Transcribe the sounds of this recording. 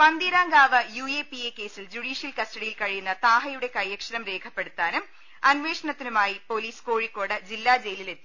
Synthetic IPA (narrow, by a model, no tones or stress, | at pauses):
pɐnd̪iɾaːŋɡaːʋɐjueːpieːkːe̞ːsild͡ʑuɽiːʂjɐlkɐstɐɽijilkɐɻijunːɐt̪aːɦɐjuɽe̞kɐjːɐkʂɐɾɐmɾe̞ːkʰɐpːeɽut̪ːaːnum | ɐnʋe̞ːʂɐɳɐt̪ːinumaːjipo̞ːliːskoːɻikːo̞ːɽɨd͡ʑilːaːd͡ʑe̞jlile̞t̪ːi̥